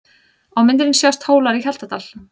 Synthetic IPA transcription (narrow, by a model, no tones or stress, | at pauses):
awmɪnt̪ɪɾɪnsjawst̪hoːwlaɾiçalt̪at̪al̥